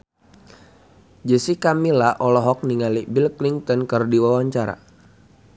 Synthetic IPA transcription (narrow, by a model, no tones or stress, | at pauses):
d͡ʒəsikamilaʔɔlɔɦɔk̚niŋalibilkliŋt̪ɔnkərdiwawaɲt͡ʃaɾa̰